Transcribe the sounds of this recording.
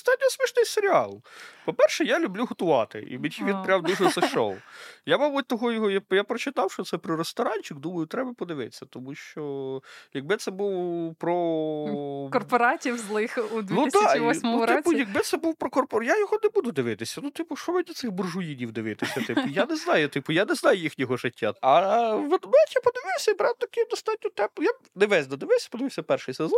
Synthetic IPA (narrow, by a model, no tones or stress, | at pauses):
st̪ɑt̪̚ʲɔɔsmʲiʃnɪjseɾʲiɑ̰lˠpɔpɛrʃɛjalʲʊblʲuɦɔt̪ʊʋɑ̰t̪ɪ̰ʔḭmʲiʋʲinpɾʲawd̪uʒɛsɐʃɔ̰wjamɔbʊt̚ʲt̪ɔɦɔjɔɦɔjajapɾɔt͡ʃɪt̪ɑwʃt͡ʃɔt̪ɛpɾɔɾest̪ɐɾɑnʲt͡ʃɪkd̪umɐjʊt̪ɾɛbɐpɔd̪ɪʋɪt̪t͡sʲːɐt̪ɔmuʃt͡ʃɔjɐɡ̚bɪt̪sɛbuwpɾɔ | kɔrpɔɾɑtʲiwzlˠɪxud̪ʲnut̪ɑʊɪpʊjɐkɡbɪt̪sɛbuwpɾɔkɔrpɔɾjajɔɦɔnɛbud̪ʊd̪ɪʋɪt̪ɪsʲɐnut̪ɪpʊʃɔmɪd̪ʲlʲɐt̪sɪxbʊrʒʊjinʲiwd̪ɪʋɪt̪ɪsʲɐt̪ɪʊjanɛznɑjʊt̪ɪpʊjanɛznɑjʊjixnʲɔɦɔʒɪtʲːa̰ɐʋed̪mɛtʲjapɔd̪ɪʋɪwsʲɐibɾɑwt̪ɐkɪd̪ɔst̪ɑt̚ʲnʲɔt̪ɛmpʊja | nɪʋɛzʲd̪ɐd̪ɪʋɪwsʲɐ̥pɔd̪ɪʋɪwsʲɐpɛrʃɪjsezɔn